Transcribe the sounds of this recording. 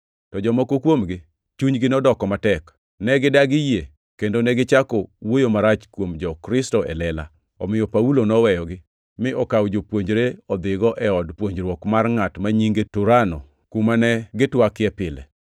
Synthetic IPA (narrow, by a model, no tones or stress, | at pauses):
tɔd͡ʒɔmɔkokwomɡɪ | t͡ʃuɲɡɪnɔdɔkɔmatɛk | nɛɡɪdaɡɪje | kendonɛɡɪt͡ʃakowojomaɾat͡ʃkwomd͡ʒɔkɾɪstɔʔɛ̰lɛla̰ | ɔ̰mɪjɔpaulonɔwɛjɔɡɪ | mɪʔɔkawd͡ʒopwoɲd͡ʒɾeɔd̪ɪɡɔʔɛɔdpwoɲd͡ʒɾwɔkmarŋatmaɲiŋɡetuɾanɔ | kumanɛɡɪtwakɪɛpɪlɛ̰